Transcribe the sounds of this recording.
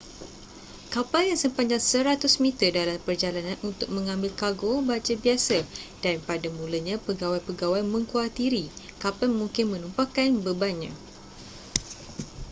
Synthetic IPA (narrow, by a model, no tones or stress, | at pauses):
kapaljaŋsəmpaɲd͡ʒaŋsəɾat̪ʊsmĩt̪ərdalampərd͡ʒalanãnʔunt̪ʊk̚mə̃ŋãmbɪlkaɡobad͡ʒəbiasad̥anpadamũləɲãpəɡawajpəɡawajmə̃ŋkuat̪iɾi | kapanmũŋkɪnmə̃numpakanbəbanɲã̰